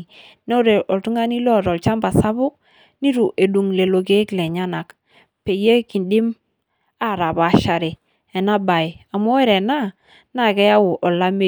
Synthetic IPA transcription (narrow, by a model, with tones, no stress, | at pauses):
ne˦o˦ɾe˨ʔɔ˨ltu˦ŋa˦ni˦lɔ˦˨ɾɔ˨lt͡ʃa˦mba˨sa˦βʊ˦k̚ | ni˦ɾu˨ʔe˨du˨ŋle˨lo˨ɡe˦kle˨ɲa˦na˨k | pe˨je˦ki˨ndi˦m | a˦˨ɾa˨ba˨˦ʃa˨ɾe˨ | ɛ˨na˦ba˨ja˨mo˦ɛ˦ɾe˨na˦ | na˦˨kɛ˦ja˦wo˨ʔɔ˨la˦me˦